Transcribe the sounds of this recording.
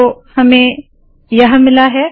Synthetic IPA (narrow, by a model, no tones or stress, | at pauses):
ohɐmẽ | jɐɦãmɪlaɦɛː